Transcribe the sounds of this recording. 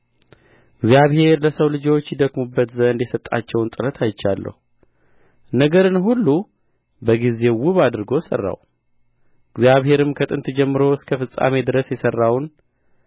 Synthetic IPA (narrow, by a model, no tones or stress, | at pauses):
ɪɡzijaβhe̞ɾləsəwlɨd͡ʒo̞t͡ʃːjɪd̪əkmubːət̪zənd̪jɛsət̪ʼːa̰t͡ʃːɛwnt̪ʼɨɾət̪ʰajt͡ʃːalːə̰hu | nəɡəɾɨnɦulːu | bəɡize̞wʊβad̪ɨɾɨɡo̞sə̰rːa̰w | ɨɡzjaβhe̞ɾɨmkʰət̪ʼɨnt̪d͡ʒɛmːɨɾo̞ɨskʰəfɨsʼa̰me̞d̪ɨɾəsjɛsərːawn